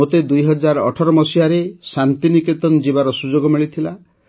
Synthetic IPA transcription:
ot̪ed̪ujɦɔd͡ʒaɾɔ̰ʈʰɔɾɔmɔsiaɾesant̪inikit̪ɔnd͡ʒibaɾɔsud͡ʒoɡɔmiɭit̪ʰila

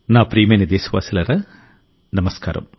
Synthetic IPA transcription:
naːpɾiːmenid̪eːsiʋa̰ːsilɐrɐ | nɐmɐska̰ːɾɐ̰m

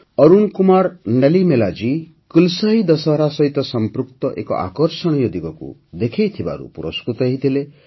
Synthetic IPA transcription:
ɔɾunkumaɾnelimelad͡ʒi | kilsaɦid̪ɔsɔɦɾasɔɦit̪ɔsɔmpɾukt̪ɔʔekɔ̰ʔa̰kɔɾsɔɽ̃ijɔd̪iɡɔkṵd̪ekʰejt̪ʰiba̰ɾṵpuɾɔskɾut̪ɔɦit̪ʰile

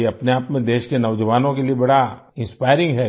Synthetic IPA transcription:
ɐpneaːpmẽd̪eːʃkenɐʋd͡ʒəʋaːnõkeliebɐɽaɪ̃nspaːɪɾɪ̃ŋɡɦɛ

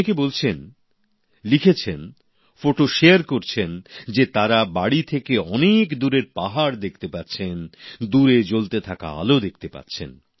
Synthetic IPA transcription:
ekebolt͡ɕʰen | likʰet͡ɕʰen | foʈoʃeaɾkoɾt͡ɕʰend͡ʑet̪aɾabaɽit̪ʰekeɔnekd̪uɾeɾpaɦaɾd̪ek̚ʰt̪epatːt͡ɕʰend̪uɾed͡ʑolt̪et̪ʰaka̰a̰lod̪ek̚ʰt̪epa̰tːɕʰḛn

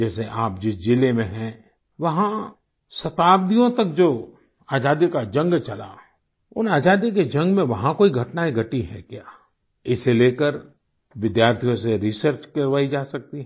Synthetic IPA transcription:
d͡ʒɛːseʔaːp̚d͡ʒɪsd͡ʒɪlemẽɦɛ̃ | ʋɐɦã | sɐt̪aːb̚d̪ijõt̪ɐk̚d͡ʒoː | aːd͡ʒaːd̪ikad͡ʒɐ̃ŋɡt͡ʃɐla̰ | ʊ̰naːd͡ʒaːd̪iked͡ʒɐ̃ŋɡmẽʋɐɦãkoːiɡʱɐʈnaiɡʱɐʈiɦɛ̰̃kjaː | ɪseleːkəɾ | ʋɪd̪jaːɾt̪ʰijõseɾɪsəɾt͡ʃkɐɾʋaːid͡ʒaːsɐk̚t̪iɦ

